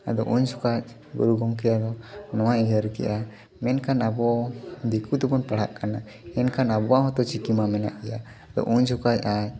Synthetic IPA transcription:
a̰d̪ɔʔuɲd͡ʒɔkat͡ʃ̚ | ɡɔ̰ɾuɡɔŋkɛjad̪ɔnɔwaʔiɦəɾkɛ̰ʔa | mɛnkanabɔd̪ikut̪ɛbɔnpaɽ̤a̰ʔkana | ɛnkanabɔwaɦɔt̪ɔt͡ʃikimamɛna̰ʔkɛja̰ | d̪ɔ̰ʔuɲd͡ʒʰɔkat͡ʃa

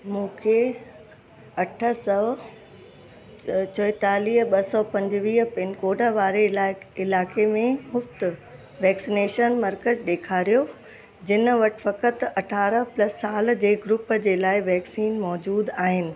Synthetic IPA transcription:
mũːkʰe | ɐʈʰə̆sɔː | t͡ɕoɪt̪aːliːɦəɓɐsɔːpɐ̃ɲd͡ʑʋiːɦpɪnkoːɖəʋaːɾeɪlaːkemẽmʊft̪ | ʋɛːksineːʃənmɐɾkəzɗ̪eːkʰaːɾijo | d͡ʑɪnə̆ʋɐʈʋɐkət̪ɐʈʰaːɾəplɐsːaːld͡ʑeːɡɾʊpəd͡ʑeːlaːɪʋɛːksiːnmɔːd͡ʑuːd̪aːɦɪnɪ̆

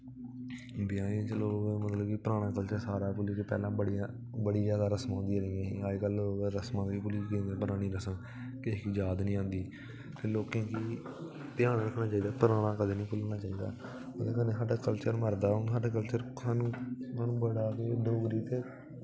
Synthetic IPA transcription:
bɪjãːĩːt͡ʃəloːɡmət̪ləbkipəɾaːɽ̃ãːkəlt͡ʃəɾsaːɾaːpʊliːkepɛ̰ːlãːbəɽiãː | bəɽiːd͡ʒaːd̪aːɾəsmõːnd̪iːɾiẽːiːaːd͡ʒkəloɾəsmãːkip̬ʊliːkeẽpəɾaːɽ̃iːɾəsəm | kɪkid͡ʒaːd̪nĩːãːnd̪iː | t̪eːloːkẽːkiː | t̪ɪjãːnɾəkʰnaːt͡ʃaːiːd̪aːpəɾaːɽ̃ãːkəd̪eːnĩːpʊlnaːt͡ʃaːiːd̪a̰ː | əd̪eːkənẽːɦəʈakəlt͡ʃəɾməɾd̪aːoɦəʈːk̬əlt͡ʃəɾ | anːmanũːbəɽaːkeɖoːɡɾiːt̪eː

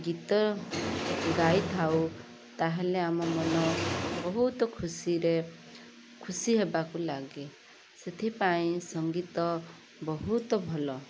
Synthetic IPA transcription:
ɡit̪ɔ | ɡajt̪ʰaw | t̪aɦeleamɔmɔnɔbɔɦut̪ɔkʰusiɾe | kʰusiɦebakulaɡe | set̪ʰipaĩsɔŋɡit̪ɔ | bɔɦut̪ɔbʱɔlɔ

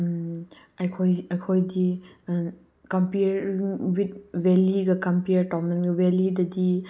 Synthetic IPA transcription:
ajkʰɔjɐjkʰɔjdi | kɐmpiɾiŋwit̚weliɡɐkɐmpiɾtɔmenɡɐwelidɐdi

